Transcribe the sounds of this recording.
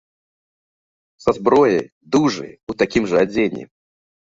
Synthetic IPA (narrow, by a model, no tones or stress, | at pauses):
sɐzbɾɔjɐ̰j | d̪uʐɨ̰jut̪akʲimʐɨad͡zʲenʲːḭ